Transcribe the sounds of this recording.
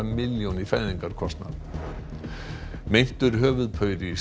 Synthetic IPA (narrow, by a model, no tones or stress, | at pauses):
amɪljɔnifɛðiŋkaɾ̥kʰɔst̪nað | mejn̥t̪ʏɾɦœːvʏðpʰœːɥɾi